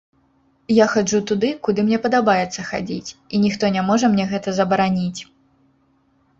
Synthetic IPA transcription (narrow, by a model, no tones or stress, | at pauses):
jaxad͡ʐut̪ud̪ɨkud̪ɨmnʲɛpɐd̪abajɛt̪sːɐxa̰d͡zʲit͡sʲinʲixt̪ɔnʲamɔʐɐmnʲɛɣɛt̪ɐzɐbɐɾanʲit͡sʲ